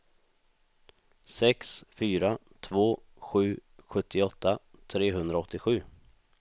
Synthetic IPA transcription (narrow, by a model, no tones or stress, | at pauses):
sɛksfyːɾa | t̪ʰvoː | ɧʉ̟ːɧɵt̪ʰːɪɔt̪ʰːat̪ʰɾeːɦɵnd̪ɾaɔt̪ːɪɧʉ̟ː